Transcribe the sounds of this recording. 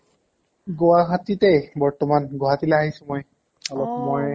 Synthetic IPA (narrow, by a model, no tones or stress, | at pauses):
ɡowaɦatitejbɔɹtɔmanɡoɦatileaɦisʊ̃moj | alɔpmɔj